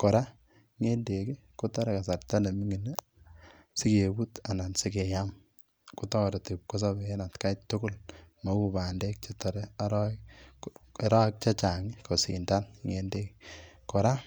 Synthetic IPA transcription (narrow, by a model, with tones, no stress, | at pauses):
kɔ˨ɾa˦ | ŋe˦nde˨ki˦ | ko˦tɔ˦ɾe˨ka˨sa˨rta˦ne˨mi˦ŋi˨ne˦ | si˦ke˨bu˦ta˨na˨nsi˦ke˨ja˦m | ko˦tɔ˦ɾe˨te˨p̚ko˦s̬a˦be˨e˦na˨tka˦t͡ʃtʊ˦kʊ˦lma˨˦u˦ba˨nde˦k̚t͡ʃetɔ˨ɾɛ˦a˦ɾ | ɾa˦k̚t͡ʃa˦t͡ʃa˨ŋi˦ko˨sḭ˨nda˦nŋe˨nde˦kkɔ˨ɾa˦